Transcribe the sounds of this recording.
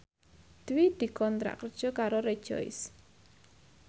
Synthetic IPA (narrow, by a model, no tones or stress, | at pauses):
d̪̥wid̪̥ikɔnt̪ɾa̰ʔkər̥ʒ̥ɔkaɾoɾe̥ʒ̥ɔ̰j̰s